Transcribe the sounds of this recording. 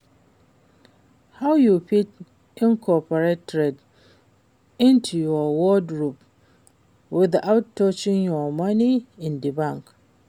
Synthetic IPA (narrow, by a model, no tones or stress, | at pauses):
hawjupit | ɪ̃nkʰɔpəɹetːɹɛd | ɪ̃ntʰujɔwɔdɹup | wɪðaʊtːɔt͡ʃɪ̃ŋjɔmaniɪ̃ndibãŋk